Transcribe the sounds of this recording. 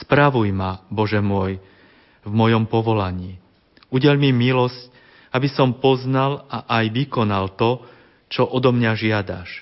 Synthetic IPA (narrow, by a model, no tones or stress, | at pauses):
spɾaʋujmabɔʒɛmʊɔj | vmɔjɔmpɔʋɔlaɲiː | uɟɛʎmimilɔsc | abisɔmpɔznalaʔajʋikɔnalt̪ɔ | t͡ʃɔʔɔd̪ɔmɲaʒɪad̪a̰ʃ